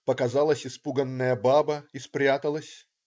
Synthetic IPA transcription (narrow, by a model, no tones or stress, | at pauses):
pəkazɑlˠəsʲɪspuɡənːəjəbabəispɾʲat̪əlˠəsʲ